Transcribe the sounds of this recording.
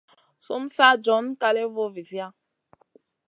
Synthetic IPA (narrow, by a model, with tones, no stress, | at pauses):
su˦m̩˦sa˦d͡ʒɔ˨˦n˦ka˦le˦vo˦vi˨si˦a˦